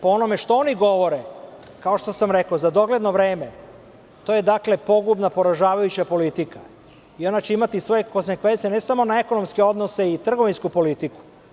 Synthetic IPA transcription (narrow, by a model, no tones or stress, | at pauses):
poono̞meʃt̪ooniɡo̞ʋo̞ɾe | kao̞ʃt̪o̞samɾekozad̪o̞ɡle̞d̪noʋɾe̞ːme | t̪o̞ːje̞d̪akle̞po̞ɡubnapo̞ɾaʒaːʋajut͡ɕapo̞lit̪ika̰ | io̞nat͡ɕeimat̪isʋo̞jekosɲekʋesenesamo̞nae̞ko̞no̞mske̞o̞d̪no̞se̞it̪r̩ɡo̞ʋinskupo̞lit̪iku̥